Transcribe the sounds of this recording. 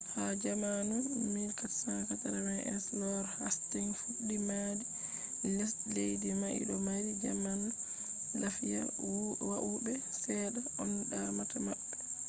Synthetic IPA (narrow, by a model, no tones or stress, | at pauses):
had͡ʒamanumiɾkatsaŋkataɾamajʔɛ̰slɔɾhastiŋfuɗːimadi | lɛslejdimaʔḭɗɔmaɾid͡ʒaman | lafija̰ | wwaʔubɛsɛɗaʔɔnɗamatamaɓːɛ